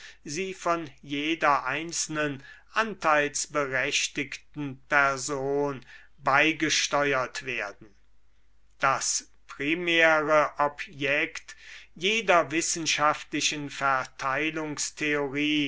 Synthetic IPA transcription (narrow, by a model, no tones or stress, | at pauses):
ziːfɔnjeːdɐʔaɪnsl̩nənʔantʰaɪlsb̥əʁɛʃtɪktn̩pɛɐzoːn | baɪɡəʃtɔʏɐtv̥eɐdn̩ | d̥as | pʁ̥imɛːʁəʔɔpjɛktjeːdɐvɪsn̩ʃaftlɪʃənfɛɐtʰaɪlʊŋstʰeoʁiː